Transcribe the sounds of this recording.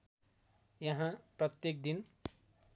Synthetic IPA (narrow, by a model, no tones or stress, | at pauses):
jʌɦãprʌt̪jek̚d̪in